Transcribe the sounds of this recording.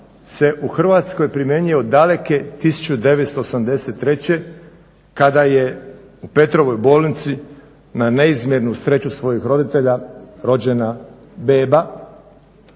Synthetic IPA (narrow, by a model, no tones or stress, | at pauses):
se̞ʔuxr̩ʋat̪sko̞jpɾimje̞ɲio̞d̪ale̞ke̞t̪isu̥t͡ɕud̪e̞ʋet̪st̪oːsamd̪e̞set̪ːɾe̞t͡ɕe̞ | kad̪aje̞ | upe̞t̪ɾo̞ʋo̞jbo̞ːlˠnit̪si | naneizmʲjeɾnust̪ɾet͡ɕusʋo̞jixɾo̞d̪it̪e̞ʎaɾo̞d͡ʑe̞na | beːba